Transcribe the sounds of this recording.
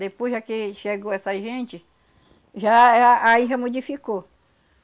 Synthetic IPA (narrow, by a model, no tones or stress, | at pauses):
d̪epojzʒakeʃeɡoɛsɐʒẽt͡ʃɪ | ʒaaiɦɐmod͡ʒifiko